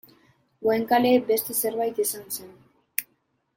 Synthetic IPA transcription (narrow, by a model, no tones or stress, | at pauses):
ɡweŋkale̞be̞st̪e̞se̞ɾβajt̪isanse̞n